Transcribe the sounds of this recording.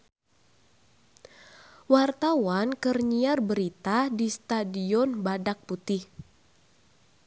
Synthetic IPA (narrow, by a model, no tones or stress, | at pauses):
wart̪awankərɲiarbəɾit̪adist̪adiɔnbadak̚put̪ɪh